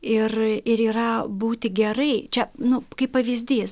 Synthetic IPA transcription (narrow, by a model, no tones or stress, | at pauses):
ɪrɪɾiːɾɐbuːt̪ʲɪɡʲɛɾɐɪt͡ʃʲɛnʊkɐɪppɐʋʲɪzʲd̪ʲiːs